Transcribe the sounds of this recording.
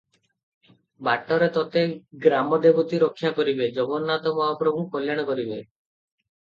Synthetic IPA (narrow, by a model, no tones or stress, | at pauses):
baʈɔɾet̪ɔt̪eɡɾamɔd̪ebɔt̪iɾɔkʰːjakɔɾibed͡ʒɔbɔnnat̪ɔmɔaɔpɾɔbʱukɔljaɽ̃ɔkɔɾibe